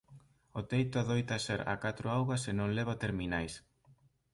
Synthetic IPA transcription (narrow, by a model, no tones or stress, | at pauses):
ot̪ejt̪ʊaðojt̪aseɾa̰kat̪ɾʊawɣɐsenõŋleβ̞at̪eɾminajs